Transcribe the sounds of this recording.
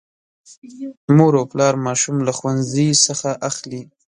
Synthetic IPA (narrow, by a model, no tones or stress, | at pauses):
moɾowplɑɾmɑʃumlaxwanzisəxaʔaxli